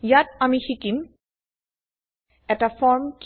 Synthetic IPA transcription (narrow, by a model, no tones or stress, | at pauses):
jatamihikim | ɛtafɔɹmk